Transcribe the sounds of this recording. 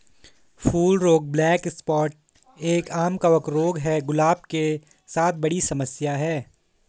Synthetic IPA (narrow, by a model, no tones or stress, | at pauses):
fuːlɾoːɡ̚blɛːkɪspɔːʈ̚ | eːkaːmkɐʋəkɾoːɡɦɛɡʊlaːb̚ke | saːt̪̚ʰbɐɽisɐməsjaɦɛː